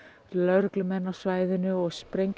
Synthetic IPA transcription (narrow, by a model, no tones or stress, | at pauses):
lœɾklʏmɛnːḁsvaːjðɪnːʏɔɣspɾejɲk